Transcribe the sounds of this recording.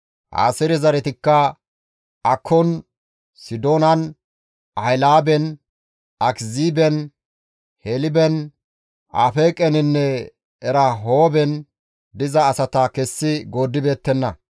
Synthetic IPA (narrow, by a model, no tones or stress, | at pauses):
ʔa̰ːsɛɾɪzɐɾɛt̪ɪkːɐ | ʔɐkʰːɔn | sɪd̪oːnɐn | ʔɐjlaːbɛn | ɐkziːbɛn | hɛlɪbɛn | ʔa̰ːfeːkʼɛnɪnːɛ | ɛɾɐɦoːbɛn | d̪ɪzɐːsɐt̪ɐkɛsːɪɡo̞ːd̪ːɪbe̞ːt̪ːɛnːɐ